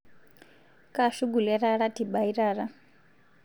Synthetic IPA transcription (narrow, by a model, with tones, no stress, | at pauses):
ka˦˨ʃu˦ɡu˨lɛ˦ɾa˦ɺa˦ti˨ba˨i˦ɾaː˨ɾa˦